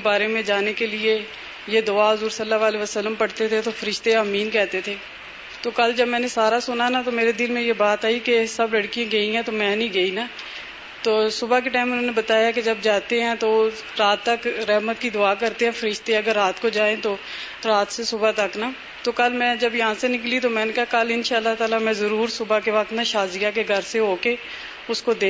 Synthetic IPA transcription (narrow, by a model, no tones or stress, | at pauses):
ebaːɾemẽd͡ʒaːnekelɪe | jed̪ʊaːɦʊzuːɾsɐlːaʋaːleʋəsəlːəmpɐɽt̪et̪ʰet̪ofəɾɪʃt̪eəmiːnkɛɦt̪et̪ʰeː | t̪oːkɐld͡ʒɐbmɛ̃ːnesaːɾasʊnanat̪omeːɾed̪ɪlmẽjebaːt̪aːikesɐblɐɽkijãɡɐĩɦɛ̃t̪omɛ̃ːnĩɡɐinaː | t̪oːsʊbak̬eʈaːɪmʊn̤ɦõːnebət̪aːjaked͡ʒɐbd͡ʒaːt̪eɦɛ̃t̪o | ɾaːt̪ːəkɾɛɦmət̪kid̪ʊaːkəɾt̪eɦɛ̃ːfʰəɾɪʃt̪eɛ̃əɡəɾːaːt̪kod͡ʒaːẽt̪oː | ɾaːt̪sesʊbat̪ɐknaː | t̪oːkəlmɛ̃ːd͡ʒɐbjɐɦãsenɪklit̪omɛ̃ːnekɐɦakɐlɪnʃaːəlːaɦt̪aːlamɛ̃ːzəɾuːɾsʊbakeʋɐk̚t̪naʃaːzijakeɡʱəɾseɦoːke | ʊskod̪eː